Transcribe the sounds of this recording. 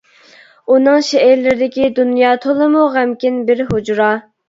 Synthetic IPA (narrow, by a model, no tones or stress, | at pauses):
unɨŋʃɛɪɾlɪɾɪd̪ɪkʲid̪unjɑːt̪ʰolˠɨmuʁæmkʲinbɪɾɦod͡ʒɾɑː